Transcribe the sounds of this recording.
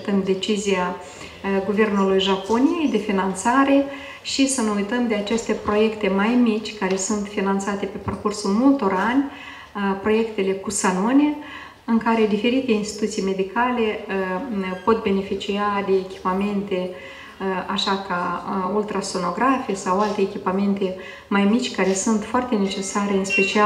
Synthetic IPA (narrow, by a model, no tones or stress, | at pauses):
t̪ɨnd̪e̞t͡ʃizija | ɡuve̞rnulujʒaponije̞jd̪e̞finant̪saɾe̞ | ʃisəneujt̪əmd̪e̞at͡ʃe̞st̪e̞pɾo̞je̞kt̪e̞majmit͡ʃʲkaɾe̞sunt̪finant̪sat̪e̞pe̞parkursulmult̪o̞ɾanʲ | pɾo̞je̞kt̪e̞le̞kusanonʲe̞ | ɨŋkaɾe̞d̪ife̞ɾit̪e̞inst̪i̥t̪ut̪sijme̞d̪ikʰale̞ | po̞t̪̚be̞ne̞fit͡ʃiad̪e̞ːkʲi̥pame̞nt̪e̞ | aʃakault̪ɾasono̞ɡɾafiesawalt̪eːkʲipame̞nt̪e̞ | majmit͡ʃʲkaɾe̞sunt̪foart̪e̞ne̞t͡ʃe̞saɾe̞ɨnspe̞t͡ʃia